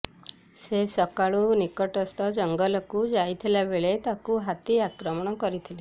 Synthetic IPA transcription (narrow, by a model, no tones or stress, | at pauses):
sesɔkaɭunikɔʈɔst̪ʰɔd͡ʒɔŋɡɔlɔkud͡ʒajt̪ʰilabeɭet̪akuɦat̪iakɾɔmɔɽ̃ɔkɔɾit̪ʰili